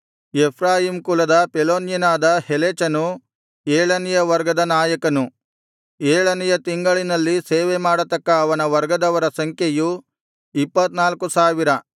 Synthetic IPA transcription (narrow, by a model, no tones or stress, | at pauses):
epʰɾaːɦimkulɐd̪ɐpeloːnjinaːd̪ɐheleːt͡ʃɐnu | eːɭɐnijɐʋɐɾɡɐd̪ɐnaːjɐkɐnu | eːɭɐnijɐt̪iŋɡɐɭinɐlːiseːʋemaːɽɐt̪ɐkːɐːʋɐnɐʋɐɾɡɐd̪ɐʋɐɾɐsɐŋkʰjeju | ipːɐt̪naːlkusaːʋiɾɐ